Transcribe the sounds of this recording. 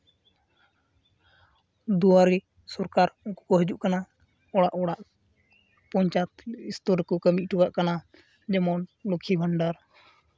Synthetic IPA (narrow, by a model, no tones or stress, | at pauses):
d̪uwaɾi | sɔɾkaɾuku̥kɔɦəd͡ʒuʔkana | ɔɽaʔɔɽaʔ | pɔɲt͡ʃat̪ist̪ɔɾkɔkəmiʔ̚ˀʈuɡaʔkana | d͡ʒɛmɔnlukʰibʱəɳɖaɾ